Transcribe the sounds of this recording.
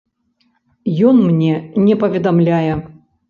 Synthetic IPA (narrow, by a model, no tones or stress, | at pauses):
jɔnmnʲɛnʲɛpɐvʲɛd̪amlʲajɛ